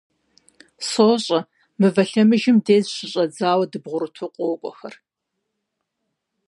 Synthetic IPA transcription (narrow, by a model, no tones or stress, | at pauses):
soːɕʼɐ | mɨvɐɬɐmɨʒɪmdeːzɕɪɕʼɐd͡zaːwɐdɨbʁʷʊɾɨtʰʊqʷʼoːkʷʼɔxɐr